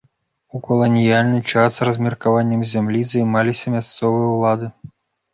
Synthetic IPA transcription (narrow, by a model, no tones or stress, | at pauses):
ukɔlˠɔnʲijalʲnɨt͡ʂasrɐzʲmʲirkavanʲːɐmzʲamlʲizɐjmalʲisʲɐmʲast̪sɔvɨjɐwlˠad̪ɨ